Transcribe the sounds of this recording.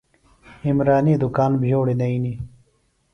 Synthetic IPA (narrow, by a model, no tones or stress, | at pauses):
imɾaːniːd̪ʊkaːnbʱijoːɽenɐiːni